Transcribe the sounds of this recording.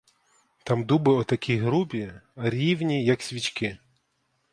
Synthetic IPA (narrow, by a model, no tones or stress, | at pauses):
t̪ɑmd̪ubɪɔt̪ɐkʲʰijɦɾubʲiɐɾʲiwnʲijɐksʲʋʲit͡ʃkɪ